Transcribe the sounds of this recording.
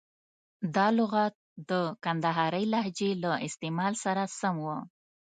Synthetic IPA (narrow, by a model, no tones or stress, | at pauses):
d̪ɑlʊɣɑt̪̚d̪əkand̪aɦɑɾəjlaɦd͡ʒelaʔɪst̪emɑlsaɾasamwə